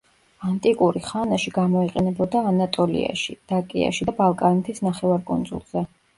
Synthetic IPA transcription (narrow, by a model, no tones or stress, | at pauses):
ant̪ʼikʼuɾiχanaʃiɡamɔiqʼɛnɛbɔd̪aːnat̪ʼɔlḭa̰ʃid̪̥akʼḭa̰ʃidabalˠkʼanɛt̪ʰisnaχɛvaɾkʼṵnd̪zṵlˠz̥ɛ